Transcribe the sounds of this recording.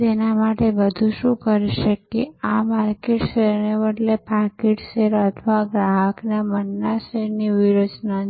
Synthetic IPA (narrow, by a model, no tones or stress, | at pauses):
d͡ʒenamaʈebəd̪ʱuʃũkəɾiʃəkːeamaɾkeʈseɾneʋəʈlepaɾkeʈseɾət̪ʰʋaɡɾaɦəknamənːaseɾniʋiɾod͡ʒna